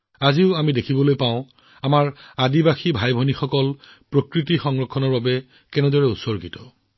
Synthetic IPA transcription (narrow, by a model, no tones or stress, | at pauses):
aziʊamidekʰibɔlojpaʊ̃ | amaɹadibaxibʱajbʱɔnixɔkɔl | pɹokɹitixɔŋɹɔkʰːɔnɔɹbabɛ | kɛnɛdɔɹɛusɔɹɡitɔ̥